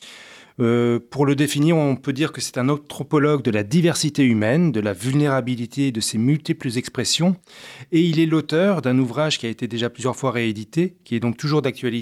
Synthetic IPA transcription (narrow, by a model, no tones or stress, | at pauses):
øpuʁləd̪efiniʁɔ̃pød̪iʁkəsɛ̥t̪ɛ̃nɑ̃t̪χɔpɔlɔɡ̚d̪əlad̪ivɛʁsit̪eymɛnd̪əlavylneʁabilit̪ʰeːd̪əsemylt̪ipləzɛkspχesjɔ̃eilɛlot̪œʁd̪ɛ̃nuvʁaʒkʲiaet̪ed̪eʒaplyzjœʁfwaʁeed̪it̪ekʲiɛd̪ɔ̃k̚t̪uʒuʁd̪ak̚t̪ɥali